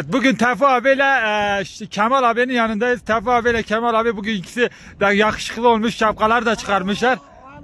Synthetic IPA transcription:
t̪̚buɟʲynt̪ʰæfoɑvelɛ | cʰæmɑlˠɑbeninjɑnɯnd̪ɑiz̥t̪ʰæfoɑvelʲɛcʲʰæmɑlˠɑbebuɡʲyncʰi̥si | d̪ɛjɑχɯ̥ʃɯ̥χlˠɯolˠmuʃʃɑp̚qɑlˠɑɾd̪ɑt͡ʃʰɯ̥χɑɾmɯʃlˠɑɾ

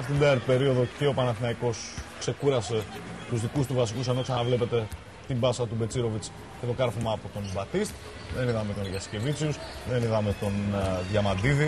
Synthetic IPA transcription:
ɐft̪id̪ɐɐɾt̪ipe̞ɾio̞ðo̞ce̞o̞pɐnɐθinɐiko̞skse̞kuɾɐse̞t̪uzðikust̪uvɐsikuse̞no̞k̪sɐnɐvle̞pe̞t̪e̞ | t̪imbɐsɐt̪ube̞t͡siɾo̞vit͡s | ce̞t̪o̞kɐɾfomɐːpo̞t̪o̞nbɐt̪ist̪ | ðe̞niðɐme̞t̪onðʝɐsce̞vit͡siusðe̞niðɐme̞t̪o̞nðʝɐmɐd̪iði

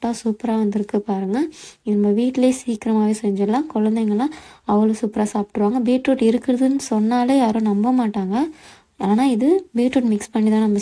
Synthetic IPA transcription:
aːsuːpɾaːʋɐnd̪ɪɾɯkːɯpaːɾɯŋɡɐɪnɐmːbɐʋiːʈːɪleːsiːkɪɾɐmaːʋeːsɛɲd͡ʒɛlːãːkɔɻɐnd̪ɛŋɡɐlːãːɐʋɐɭɯsuːpɪɾaːsaːpɪ̥ʈːɾɯʋaːŋɡɐbiːʈɾoːʈɪɾɯkːɪɾɐðɯnːɯsɔnːaːleːaːɾõːnɐmbɐmaːʈːaːŋɡɐ | aːnaːɪðɯbiːʈɾoːʈmɪkspɐɳːit̪ãːnɐmːɐ

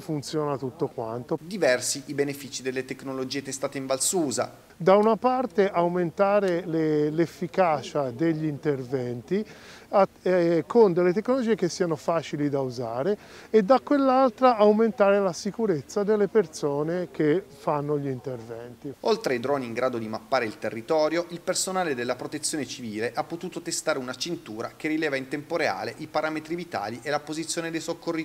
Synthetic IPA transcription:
funt̪sjɔːnat̪ut̪ːokwa̰nt̪od̪ivɛrsiibenefiːt͡ʃid̪elːet̪eknolod͡ʒiːet̪est̪aːt̪eiɱvalsuːza̰ | d̪aunapart̪eʔawment̪aːɾelelefːikaːt͡ʃad̪eʎːiint̪ervɛnt̪iakond̪elːet̪ekːnolod͡ʒiːek̟esːianofaːt͡ʃilid̪auzaːɾeed̪ːakːwelːalt̪ɾaːwment̪aːɾelasikuɾet̪sːad̪elːepert̪soːnek̟efanːoʎint̪ervɛnt̪iolt̪ɾeid̪ɾɔːniːŋɡɾaːd̪od̪imapːaːɾeilt̪erːit̪ɔːɾjoʔilpersonaːled̪elːapɾot̪et̪sːjoːnet͡ʃiviːleʔapːot̪uːt̪ot̪est̪aːɾeunat͡ʃint̪uːɾa̰kerilɛːvaint̪ɛmpoɾea̰ːleʔipaɾaːmet̪ɾivit̪a̰ːliʔelapozit̪sːjoːned̪ejsokːorːi

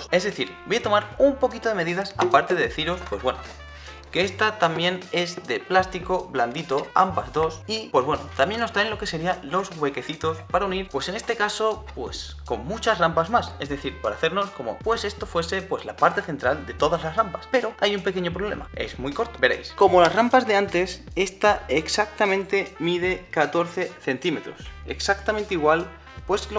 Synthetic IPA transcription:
se̞zðeθiɾbojat̪o̞maɾumpo̞kit̪o̞ðe̞me̞ðiðasa̰paɾt̪e̞ðe̞ðe̞θiɾo̞spwe̞zβwe̞no | ke̞est̪at̪amje̞ne̞zd̪e̞plast̪iko̞βland̪it̪oa̰mbazðo̞sipwoe̞zβwe̞no̰t̪amje̞nːo̞st̪ɾajnlo̞ke̞se̞ɾialo̞zɣwe̞ke̞θit̪o̞spaɾauniɾpwe̞se̞ne̞st̪e̞kaso̞pwe̞s | ko̞mːut͡ʃasrampazmase̞zðe̞θiɾpaɾaθe̞ɾno̞sko̞mo̞̰pwe̞se̞st̪o̞fwe̞se̞pwe̞zlapaɾt̪e̞θe̞nt̪ɾald̪e̞t̪o̞ðazlasrampaspe̞ɾo̞ajumpe̞ke̞ɲo̞pɾo̞β̞le̞̰ma̰e̞̰zmujko̞ɾt̪obe̞ɾe̞̰jsko̞mo̞lasrampazðe̞ant̪e̞se̞st̪aeksak̚t̪amẽnt̪e̞mið̞e̞kat̪o̞ɾθe̞θe̞nt̪ime̞t̪ɾo̞̰se̞̰ksak̚t̪amẽnt̪eiɣwal | pwe̞slo

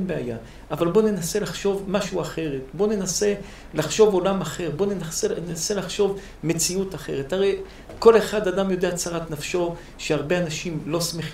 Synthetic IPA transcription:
beaja̰ | ʔavalbo̞ne̞nase̞laχʃo̞vmaʃuaχe̞ʁetbo̞ne̞nase̞ | laχʃo̞vo̞lamaχe̞ʁbo̞nenasenase̞laχʃo̞v | me̞t͡siutaχe̞̰ʁ̞etaʁej | ko̞le̞χad̪adamjo̞deat͡saʁat̪nafʃo̞ | ʃeaʁbe̞anaʃimlo̞smeχ

